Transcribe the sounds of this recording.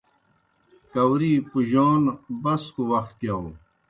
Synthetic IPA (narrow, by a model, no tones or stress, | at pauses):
kɐwɾiːpuʑoːnbɐskuwɐxt̪̚kjaw